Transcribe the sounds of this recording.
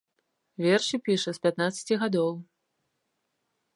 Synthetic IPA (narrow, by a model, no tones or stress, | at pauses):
vʲɛrʂipʲiʂɐspʲat̪nat̪sɐ̥t͡sʲiɣad̪ɔw